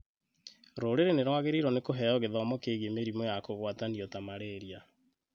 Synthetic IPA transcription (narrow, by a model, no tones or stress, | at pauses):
ɾoːɾeɾeneɾwaɣeɾiɾɔnekoɦɛɔɣeðɔmɔkeːɣemeɾimɔjakoɣwatandiɔtamaɾeɾia